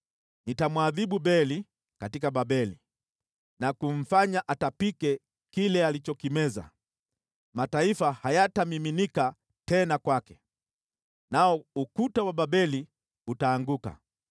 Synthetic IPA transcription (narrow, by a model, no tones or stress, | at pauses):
nitamwaðiɓubɛli | katikaɓabɛli | nakum̩faɲaʔatapikɛ | kilɛalit͡ʃɔkimɛza̰ | mataifahajatamiminika | tɛnakwakɛ̥ | naɔukutawaɓabɛli | utaːŋɡuka̰